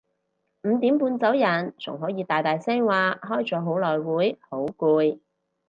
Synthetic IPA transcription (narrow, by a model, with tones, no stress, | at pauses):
m̩ː˨˧t̪iː˨˥mpuː˧nt͡sɐ˨˥wjɐ˨˩nt͡sʰʊ̰˨˩ŋɦɔː˨˥jiː˨˧t̪aː˨˩jt̪aː˨jsɛː˥ŋwaː˨˧ɦɔː˥jt͡sɔː˨˥ɦo˨˥wlɔː˨˩jwuː˨˥jho˨˥wkuː˧j